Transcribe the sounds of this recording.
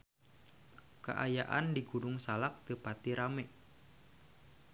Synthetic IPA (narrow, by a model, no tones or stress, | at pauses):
ka̰ʔa̰ja̰ʔandiɡudʊŋsalak̚t̪ɨpat̪iɾamɛʔ